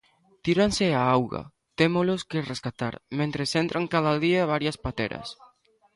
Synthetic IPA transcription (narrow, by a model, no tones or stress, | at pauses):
t̪iɾanseaawɣa̰ | t̪emoloskereskat̪a̰ɾmẽnt̪ɾesent̪ɾʔaŋkaðalðiaβaɾjaspat̪ḛɾa̰s